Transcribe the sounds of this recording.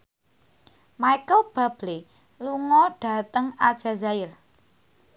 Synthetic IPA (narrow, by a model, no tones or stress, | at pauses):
maikəlb̥a̤b̥le | luŋɔɖ̥ä̤t̪əŋad̥ʒ̥a̤zaɪr